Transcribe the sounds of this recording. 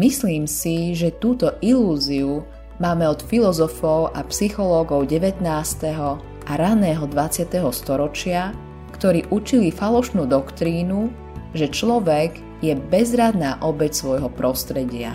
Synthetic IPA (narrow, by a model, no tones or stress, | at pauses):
misliːmsiʒɛt̪uːt̪ɔʔiluːziu | maːmɛɔt̪filɔzɔfɔʊʔapsixɔlɔːɡɔʊɟɛʋɛt̪naːst̪ɛɦɔ | aɾanɛːɦɔd̪ʋat͡sɪat̪ɛɦɔst̪ɔɾɔt͡ʃɪa | kt̪ɔɾiːʔut͡ʃilifalɔʃnuːd̪ɔkt̪ɾiːnu | ʒɛt͡ʃlɔʋɛɡ | jɛbɛzɾad̪naːʔɔbɛcsʋɔjɦɔpɾɔst̪ɾɛɟɪa̰